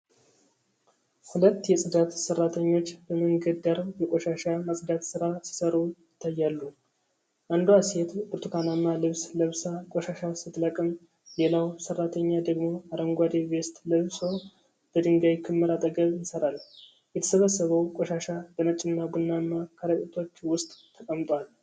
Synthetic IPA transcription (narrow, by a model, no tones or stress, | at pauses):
hulət̪ːjɛsʼɨd̪at̪sərːat̪ʰəɲːo̞t͡ʃːbəməŋɡəd̪aɾjɛkʼoʃaʃamasʼd̪at̪sɨɾasi̥səɾujɪt̪ʰːajːalːu | ʔand̪oaset̪bɨɾt̪ʰukʰanamːalɨβsləβsakʼoʃaʃasɨt̪ləkʼɨm | lelawsərːat̪ʰəɲːad̪əɡmo̞aɾəŋɡʷad̪eβe̞st̪ləβsow | b̥əd̪ɨŋɡaβjkʰɨmːɨɾat̪ʼəɡəβjɪsəɾal | jɛt̪ʰə̥səβəsːəβəwkʼoʃaʃab̥ənət͡ʃʼːɪnːabunːanːakʰaɾək̪ʼet̪ʰo̞t͡ʃːwʊst̪ʼt̪ʰːəkʼəmt̪ʼwal